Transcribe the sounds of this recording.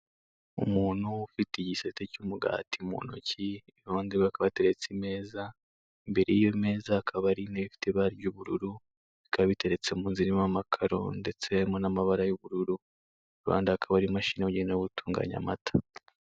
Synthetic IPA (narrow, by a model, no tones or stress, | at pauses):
ṵmuːn̥hufitiɟisetecumuɡa̰ːtimṵːnṵci | βoːndiβakaβate̞ɾet͡sime̞ːza | imbe̞ɾejijoime̞ːzaːkʰaβaɾineβifi̥teβaɾɟuβuɾuɾu | ikaβaβite̞ɾe̞t͡se̞muːnziɾimamakʰaɾo̞̰nde̞t͡se̞jaɾimonamaβaɾajuβuɾuɾu | ɾuβa̰ːndaakʰaβaɾimaʃiːneuɟeneoβutʰuːŋɡa̰ɲa̰matḁ